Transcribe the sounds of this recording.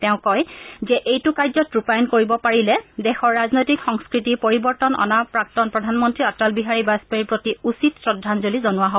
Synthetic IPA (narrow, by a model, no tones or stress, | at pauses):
tɛʊ̃kɔjzɛʔejtʊkajzɔtɹupajɔnkoɹibɔpaɹilɛdɛxɔɹːaznojtikxɔŋskɹitipoɹibɔɹtɔnɔ̰napɹak̚tɔnpɹɔdʱanmɔntɹiatalbiɦaɹibaspeiɹpɹotiusitsɹɔdʱːanzolizɔnʊwaɦob